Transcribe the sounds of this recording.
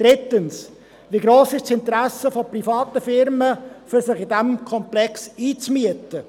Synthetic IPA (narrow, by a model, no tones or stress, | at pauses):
d̥̪ɾɪt̪əns | ʋiɡɾoːsɪʃsɪnt̪ɾæsəfoprifɑːt̪əfɪɾməfyɾsɪχɪdæmkʰɔmplɛksiːt͡smyət̪ə